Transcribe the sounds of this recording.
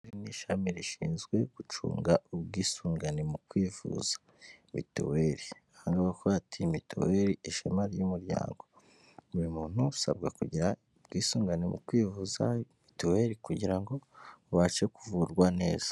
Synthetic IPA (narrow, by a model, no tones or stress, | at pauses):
ɾiniʃamiɾiʃiːnzɡwe̞ɡ̥ut͡ʃṵːŋɡaubɡiːsuːŋɡanemukwiːvṵz̥ḁ | mḭtṵweɾi | haːŋɡaβakoɾatʰimitʰo̰weɾiiʃamaɾjumuɾja̰ːŋɡo̞ | βuɾimuːn̥huusa̰bɡakuɟiɾa | bɡiːsuːŋɡanimṵkwiːvuzamituwe̞ɾikuɟiɾaŋɡo̞βat͡ʃekuvuɾɡwane̞ːz̥ḁ